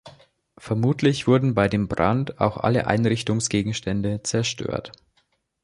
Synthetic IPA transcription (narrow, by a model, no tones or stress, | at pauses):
fɛɐmuːtʰlɪçv̥ʊɐdn̩baɪdeːmbʁa̰nta̰ʊxʔa̰lə̰ʔa̰ɪnʁɪçtʊŋsɡ̥eːɡŋ̩ʃtɛndət͡sɛɐʃtø̰ːɐt